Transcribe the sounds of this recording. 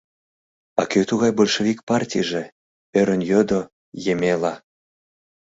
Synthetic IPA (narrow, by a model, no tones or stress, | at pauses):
ɑ̰køt̪uɣɑjbolʲʃevʲik̚pɑrtʲḭjʒĕ | øɾə̆njød̪o | jemʲelɑ